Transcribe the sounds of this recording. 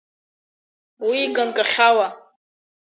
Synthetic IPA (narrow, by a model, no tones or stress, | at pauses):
wiɡankʼaχʲawa